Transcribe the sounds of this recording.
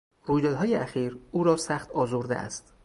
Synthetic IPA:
ruːjd̪ɒːd̪ɦɒːjeʔæxiːɾuːɾɒːsæxt̪ɒːzoɾd̪eʔæ̰st̪

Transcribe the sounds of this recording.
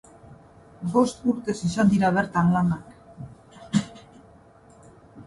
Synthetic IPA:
ɡost̪uɾt̪esisand̪iɾaβɛɾt̪aŋlamak

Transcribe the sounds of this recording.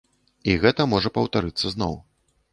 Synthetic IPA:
iɣɛt̪ɐmɔʐɐpɐwt̪aɾɨt̪sːɐznɔw

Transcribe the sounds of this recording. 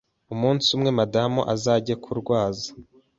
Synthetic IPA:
umuːnsumŋe̞madamuʔazaːɟekʰuɾɡwaːzḁ

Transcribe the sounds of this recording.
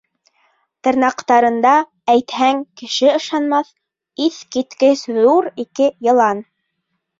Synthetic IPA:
t̪ɤ̆ɾnɑqt̪ɑɾɤ̆nd̪ɑ | æjt̪hæŋkɘ̆ʃɘɤ̆ʃɑnmɑθ | iθkit̪kɘʃðuɾikɘjɤ̆lˠɑn

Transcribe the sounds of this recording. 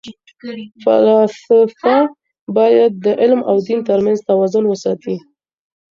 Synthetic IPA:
fa̰lɑsɪfa | bɑjad̪̚ːəʔɪlma̰wd̪int̪əɾmanzt̪awɑzʊnwəsɑt̪i

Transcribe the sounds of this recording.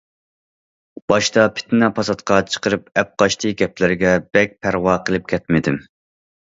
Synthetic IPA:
b̥ɑʃt̪ɑpʰɪ̥t̪nɛpʰɑsɑt̪qʰɑt͡ʃʰə̥qəɾɨp̚ɛp̚qɑʃt̪ʰɨɡʲɛplɪɾɪɡʲɛb̥ɛk̚ʲpʰæɾwɑqʰəlˠɨp̚kʲʰɛt̪mɪd̪ɪm

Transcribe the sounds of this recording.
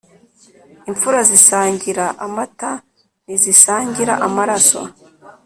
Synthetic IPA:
iɱfuɾazisaːɲɟiɾaʔamata | nizisaːɲɟiɾa̰ʔamaɾaso̰

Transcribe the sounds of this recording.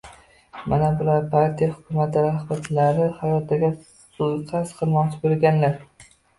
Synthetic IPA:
manabʊlaɾpʰaɾt̪ʰijahʊkʲʰʊmat̪ʰɪɾahbat̪ʰlaɾɪhajɒt̪d̪aɡʲa | sʊjqʰasqʰɨlˠmɒʁt͡ʃʰɪbolɡʲanlaɾ

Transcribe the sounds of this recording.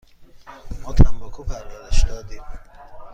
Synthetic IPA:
mɔːt̪ʰæmbɔːkʰupʰæɾdæɾeʃd̪ɒːd̪iːm

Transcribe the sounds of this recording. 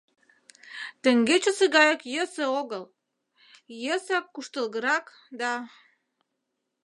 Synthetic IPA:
t̪ə̆ŋɡet͡ɕə̆sə̆ɣɑjəkjəsĕoɣəl | jəsɑkːuʃt̪ə̆lɣə̆ɾɑk | d̪ɑ

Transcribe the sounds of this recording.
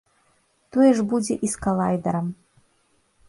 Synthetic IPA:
t̪ɔjɛʐbud͡zʲɛ̰ʔiskɐlˠajd̪ɐɾɐm

